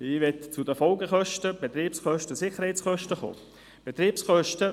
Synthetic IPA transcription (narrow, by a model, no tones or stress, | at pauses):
ɪːʋɛtt͡sʊdəfɔlɡəχœʃtəb̥et̪ɾiːpsχœʃtəsɪχəɾhɛɪt͡sχœʃtəχo̰ː | b̥et̪ɾiːpsχœʃtə